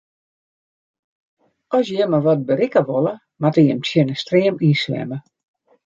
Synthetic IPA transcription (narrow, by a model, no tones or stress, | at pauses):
ɔsjəmaʋɔt̚bəɾikəʋolˠə | matəjəmtʰjɪnəstriəmiːslɛ̰mə